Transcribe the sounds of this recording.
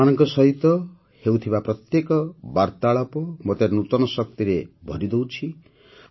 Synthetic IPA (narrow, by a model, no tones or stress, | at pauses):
anɔŋkɔsɔɦit̪ːɔ | hewt̪ʰibapɾɔt̪jekɔbaɾt̪aɭɔpɔmɔt̪eɾnut̪ɔnɔsɔk̚t̪iɾebʱɔɾid̪owt͡ʃʰi